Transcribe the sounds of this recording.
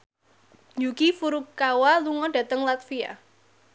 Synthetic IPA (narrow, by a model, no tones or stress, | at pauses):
ɲd͡ʒukifuɾukawaluŋɔɖ̥ä̤t̪əŋlat̪fia̰